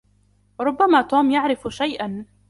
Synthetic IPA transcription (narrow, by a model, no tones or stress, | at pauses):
ɾˤʊbːamaːt̪uːmjaʕɾɪfʃajʔan